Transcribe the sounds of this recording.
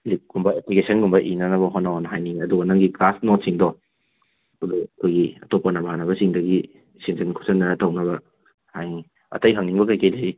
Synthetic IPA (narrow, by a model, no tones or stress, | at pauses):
lip̚ɡ̥umbɐeplikesɐnɡumbɐʔinɐnɐβɐɦɔnanɦajniŋɐduɡɐnɐŋɡiklasnɔt̚siŋdɔ | ɐduɐkʰojɡiɐtɔpːɐnɐbɐɦanɐβɐsiŋdɐɡi | siŋzinkʰusʰɐnːɐɾɐtɐwnɐbɐ | hajni | ɐ̰tɐjɦɐŋniŋbɐkɐjkɐjlɐɾi